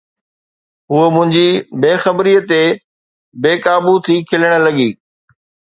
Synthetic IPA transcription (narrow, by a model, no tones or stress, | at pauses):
ɦuəmʊ̃ɦɪ̃ɲd͡ʑibeːxɐbɾiːət̪e | beːkaːbut̪ʰikʰɪləɽ̃ə̆lɐɠiː